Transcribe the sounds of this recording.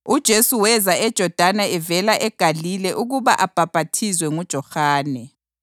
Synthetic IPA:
ud̥ʒ̥ʱesuwɛzaɛd̥ʒ̥ʱɔd̥ʱanaɛvɛlaʔɛɡ̥ʱalilɛʔuɣuβaʔab̥ʱab̥ʱatʰizwɛŋud̥ʒ̥ʱɔxaːnɛ

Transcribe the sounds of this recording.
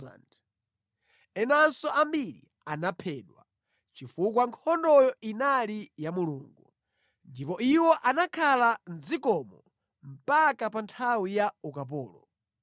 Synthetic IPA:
nd | ɛnansɔʔambiɾḭ | anapʰɛːɗwa | t͡ʃifukwaŋkʰɔndɔjɔinalijamuluːŋɡu | ndipɔiwɔʔanakʰalanzikɔmɔ | m̩pakapantʰawijaukap̬ɔːlɔ̰

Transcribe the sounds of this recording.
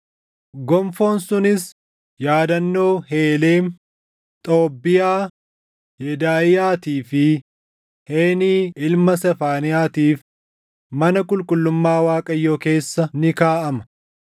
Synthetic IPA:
ɡɔmfo̞ːnsʊnɪs | jaːd̪ɐnːo̞ːɦeːleːn | t̪ʼoːbːɪjaː | jɛd̪aːɪjaːt̪iːfɪ | heːniːʔɪlmɐsɛfaːnɪjaːt̪iːf | mɐnɐkʼʊlkʼʊlːʊmːaːwaːkʼɐjːo̞ːke̞ːsːɐnɪkaːʔɐmɐ̥

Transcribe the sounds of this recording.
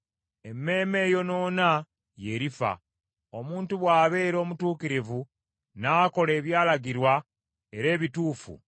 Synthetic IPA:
e̞mːe̞ːme̞ːjo̞no̞ːna | je̞ɾifa̰ | o̞muːntuβwaːβe̞ːɾo̞ːmutuːkiɾivu | naːko̞le̞ːβjaːlaɡiɾwa | e̞ɾe̞ːβituːfṵ

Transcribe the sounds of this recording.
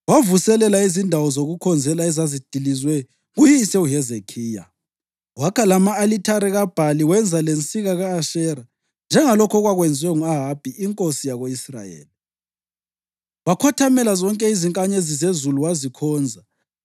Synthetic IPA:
wavusɛlɛlaizindʱawɔzoɣukʰɔnd͡zʱɛlaɛzazid̥ʱilizwɛ | ɣujisɛuɦɛzekʰiːja̰ | wakʰalamaːlitʰaɾɛɣab̥ʱaliwɛnd͡zʱalent͡sʼiɣaɣaːʃɛɾa | nd͡ʒʱɛŋalɔkʰɔɣwaɣwɛnd͡zʱwɛŋuaɦab̥ʱiiŋkʼosijaɣoisra̰jḛːli | βakʰɔtʰamɛlazɔŋkʼɛiziŋkʼaɲezizezuluwazikʰɔːnd͡zʱa

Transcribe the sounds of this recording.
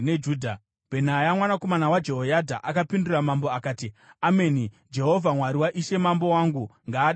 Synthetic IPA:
ned͡ʒudʱa | b̥ʱe̞najamwanako̞manawad͡ʒe̞ɦojadʱa̰ʔakapinduramamboakaːtiame̞ni | d͡ʒe̞ɦo̞vʱamwaɾiwaʔiʃe̞mambo̞waŋɡuŋɡaːɗa

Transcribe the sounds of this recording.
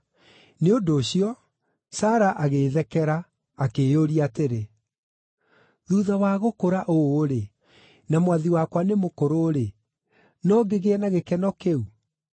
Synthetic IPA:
neondoːɕiɔ | saːɾaʔaɣeðɛkɛɾaː | kejoɾiateɾe | ðuːðawaːɣokoɾaʔoːɾe | namwaðiwakwanemokoɾoːɾe | nɔɡeɣeɛnaɣekɛnɔkeu

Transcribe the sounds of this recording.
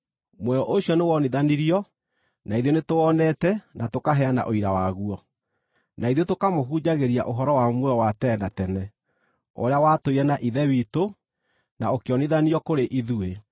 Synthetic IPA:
mwɛɔʔoɕjɔnewɔniðaniɾiɔ | naiðjonetoɔnɛtɛnatokaɦɛana̰ʔoiɾawaɣuɔ | naiðjotokamoɦud͡ʑaɣeɾia̰ʔoɦɔɾɔwamwɛɔwatɛnatɛnɛ | o̰ɾeawatoiɾanaʔiðɛwito | naokejɔniðaniɔkoɾeʔiðue

